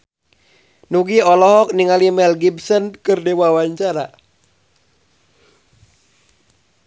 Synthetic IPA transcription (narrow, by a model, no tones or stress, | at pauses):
nuɡiɔlɔɦɔk̚niŋalimɛlɡibsənkɨrdewawaɲt͡ʃaɾa